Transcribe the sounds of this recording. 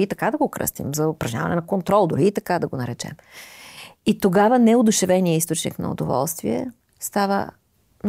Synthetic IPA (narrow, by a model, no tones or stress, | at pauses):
it̪ɐkad̪ɐɡokɾɤ̰st̪ḭmzɐʊpɾɐʒnɲʲavɐnɛnɐkont̪ɾɔlˠd̪ʊɾiːt̪ɐkad̪ɐɡonɐɾɛt͡ʃɛ̰m | it̪oɡavənɛod̪ʊʃɛvɛnijəist̪ot͡ʃnḭknɐ̰o̰d̪ovɔ̰lˠst̪viɛ̰ | st̪avə̰ | n